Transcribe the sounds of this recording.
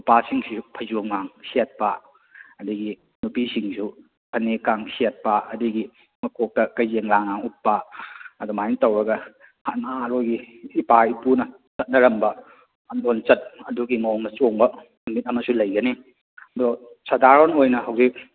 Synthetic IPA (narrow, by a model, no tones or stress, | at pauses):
upasiŋspʰɐzuŋmaŋsiat̚pɐ | ɐdiɡi | nupisiŋsʰu | pʰɐnekaŋsiat̚pɐʔɐdiɡi | mɐkʰok̚tɐkɐjzeŋlaŋaŋut̚paɐdɔmajntɐwɾɐɡɐ | hanaɾojɡiː | paipunɐ | t͡ʃɐt̚nɐɾɐmbɐ | ɐndont͡ʃɐt̚ɐduɡimowŋnɐt͡ʃoŋbɐ | mumit̚ɐmɐsulɐjɡɐni | ɐdɔ | sadaɾonojnɐhɐwzik̚